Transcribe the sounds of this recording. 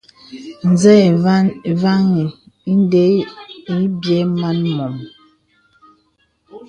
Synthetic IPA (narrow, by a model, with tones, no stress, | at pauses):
n̩˨zɛ˦˨˦n˨va˦ŋi˨ | i˦n˦de˦i˦bjɛ˦ma˦nmɔ˨m